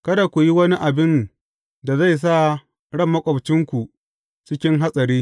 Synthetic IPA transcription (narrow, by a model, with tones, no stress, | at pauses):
kɐ˦da˨kʷu˨ji˦wɐ˦ni˦ʔa˨bɪ˦n | da˨za˦˨js̬a˦˨ | ɽɐ˦˨mːɐ˦kʷʼɐ˨bt͡ʃɪ˦ŋkʷu˨ | t͡ʃɪ˦kʲɪ˦ŋɦa˦sʼɐ˨ɾiː˦